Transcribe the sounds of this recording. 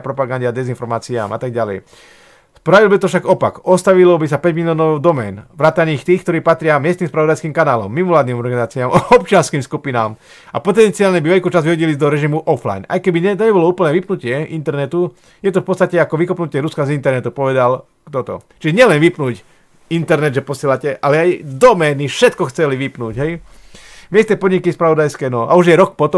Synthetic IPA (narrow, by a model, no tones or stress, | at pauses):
pɾɔpaɡanɟad̪ɛzinfɔɾmaːt͡sia̰ːmʔat̪aɡɟalɛ̰j | spɾaʋilbit̪ɔfʃaɡɔpa̰kɔst̪aʋilɔbisapɛɟmiliɔːnɔʊd̪ɔmɛ̰ːnʋɾaːt̪aniːxt̪iːxkt̪ɔɾiːpat̪ɾɪamɪɛst̪niːmspɾaʋɔd̪ajskiːmkanaːlɔ̰mːimɔlaːd̪nimɔɾɡanizaːt͡siaːmɔɔp̚t͡ʃɪanskiːmskupinaːm | a̰pɔt̪ɛnt͡siaːlɲɛbiʋɛʎkuːt͡ʃazʋiɦɔɟilizd̪ɔɾɛʒimuʔɔfla̰jnʔa̰jkɛbiɛt̪ɛɛbɔlɔuːpl̩nɛːʋipnucɪɛʔint̪ɛɾnɛt̪u | jɛt̪ɔfpɔtt͡sst̪acɛakɔʋikɔpnucɪɛɾuskazint̪ɛɾnɛt̪upɔʋɛd̪al | kt̪ɔt̪ɔ̰t͡ʃiʒɛɲɪɛlɛnʋipnuːc | int̪ɛɾnɛd̪ʒɛpɔsɪɛlacɛʔalɛajd̪ɔmɛːnifʃɛt̪kɔxt͡sɛliʋipnuːɟɦɛj | mɪɛst̪nɛːpɔd̪ɲikispɾaʋɔd̪ajskɛːnɔa̰uʒjɛɾɔk̚pɔt̪ɔ